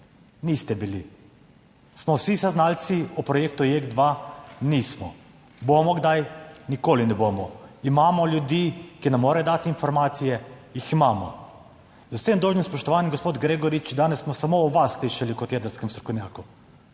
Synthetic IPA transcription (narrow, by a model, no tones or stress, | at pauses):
niːst̪ɛbili | smɔwsisaznalt̪siɔpɾɔjeːkt̪ujeɡd̪ʋaniːsmɔ | bomɔɡd̪ajnikoːlinɛbomɔimaːmɔlʲjud̪iːkinamːoːɾajd̪aːt̪iinfɔɾmaːt̪sijɛjiximaːmɔ̰ | zawsemd̪oːʒnimspɔʃt̪ɔʋaːnjɛmɡospoːd̪ɡɾeːɡɔɾit͡ʃd̪aːnɛssːmɔsamoːʋasliʃalikɔt̪jɛd̪əɾskɛmst̪ɾɔ̥kɔwnʲjaːku